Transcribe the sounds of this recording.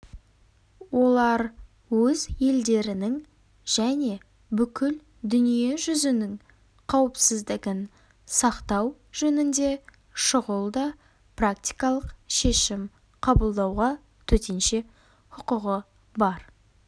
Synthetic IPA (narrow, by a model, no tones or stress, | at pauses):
wo̞lˠɑɾ | wɵzje̞ld̪e̞ɾɪnɪŋ | ʒ̥æne̞ | bʏkʲʰɪl | d̪ʏnije̞ʒʏzɪnɪŋ | qʰɑwəpsɪzd̪ɪɡʲɪn | sɑqt̪ɑw | ʒ̥ɵnɪnd̪e̞ | ʃʊʁəlˠd̪ɑ | prak̚t̪ʲijkɑlˠəqʃe̞ʃɪm | qʰɑbəlˠd̪ɑwʁɑ | t̪ʰɵt̪ʰe̞nʃe̞ | hʊqʊʁə | bɑɾ